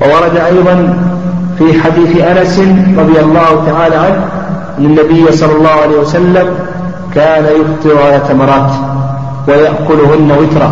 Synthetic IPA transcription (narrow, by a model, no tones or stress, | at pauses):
wɑwɑɾˤɑd̪aʔɑjðˤɑn | fiːħad̪iːθʔanasɪnɾˤɑðˤjɑlˤːɑːhʊt̪aʕaːlaːʕanh | ʔanːanːabɪjːasˤɑlːɑlːɑːhʊʕalaːhwasalːam | kaːnajʊft̪ˤɨɾʕalaːθamɑɾˤɑːt̪ | wajaʔkʊlʊhʊnːawɪt̪ɾˤɑ̰